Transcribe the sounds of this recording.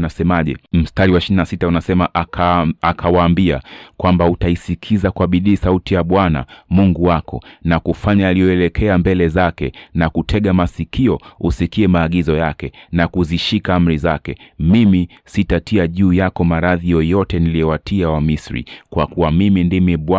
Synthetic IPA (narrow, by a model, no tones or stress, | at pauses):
nasɛmaʄɛ̰m̩staɾiwaʃilinasitaunasɛmaʔakʰawaːmbia̰kwambautaisikʰizakuaɓiɗiːsautijaɓwana̰muŋɡuwakɔnakufaɲaːlijɔɛlɛkʰɛambɛlɛzakɛnakutʰɛɠamasikʰiɔusikiɛmaːɠizɔjakɛnakuziʃikaam̩ɾizakɛmimi | sitatʰiaʄuːjakɔmaɾaðijɔjɔtɛnilijɛwatiawamisɾḭkwakuwamimindimiɓ